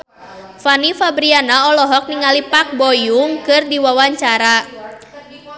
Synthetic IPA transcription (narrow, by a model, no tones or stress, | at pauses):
fanifabɾianaɔlɔɦɔk̚niŋalipak̚bɔjuŋkɨrdiwawaɲt͡ʃaɾa